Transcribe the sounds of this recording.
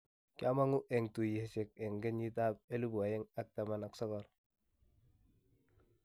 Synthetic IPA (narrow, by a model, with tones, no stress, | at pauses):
ka˦ma˦ŋu˦ʔe˨ŋtu˨je˨˦se˨ke˨ŋɡe˦ni˦ta˦b̚e˦lu˦bu˨a˨je˦ŋa˦k̚ta˨ma˨na˨ksɔ˦kɔ˨ɾ